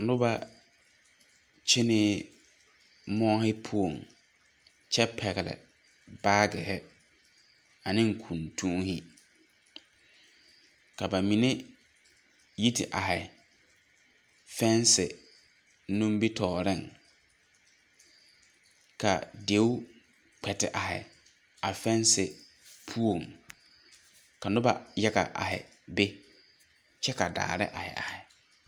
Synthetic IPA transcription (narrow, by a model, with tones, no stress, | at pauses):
lʊ˦ba˦ | t͡ʃɪ˦nɪ˦ | mɔ˦hɪ˦pʰu˦o˨ŋ | t͡ʃɛ˦pʰɛ˨ɣɛ˨lɪ̰˨ | baː˦ɡɪ˨hɪ˦ | a˨nɪ̃˦ŋ̩˨kʰũ˨ntʰũ˦ŋhɪ˦ | ka˨ba˨mĩ˨ne˦ | ji˦tʰɪ˨ʔa˨ɦɪ˨ | fɛ˦nsɪ˨ | nũ˦mbi˦tʰɔː˨ɾɪ˦˨ŋ | ka̰˨de˨˦w | k͡pʰɛ˨tɪ˨ʔa˨ɦɪ̰˨ | a˨fɛ˦nsɪ˨ | pʰu˦o˨ŋ | ka˨nʊ˦ba˨jɛ˦ɡa̰˨ʔa̰˨ɦɪ̰˨ | be˦ | t͡ʃɛ˦ka˨da̰ː˨ɾɪ̰˦ʔa˨hɪ̰˨ʔa̰˨hɪ˨